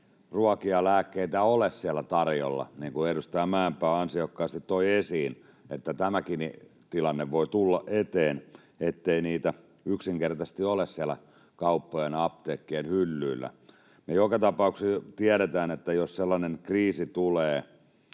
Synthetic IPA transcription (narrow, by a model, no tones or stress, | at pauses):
ruɑkiɑlæːkːeit̪æolessiælːˑæt̪ɑrjo̰lːɑ̰niːŋkueɾust̪æmæːmpæːɑnsiokːɑːst̪it̪toiesiːn | et̪ːæt̪æmækinit̪ilɑnːeʋʋoit̪ulːɑʔet̪eːn | et̪ːeiniːt̪æ | yksiŋkert̪ɑst̪iolessiælæ̰ | kɑupːojenɑp̚t̪eːkːienhylːyːlːæ̰ | mejokɑt̪ɑpɑuksit̪iæɾet̪æːnet̪ːæjosselːɑnenkriːsit̪uleː